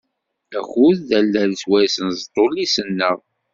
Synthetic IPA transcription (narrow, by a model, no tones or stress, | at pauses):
æxuððælːælswæjsənzt̪ˤolisənːəʁ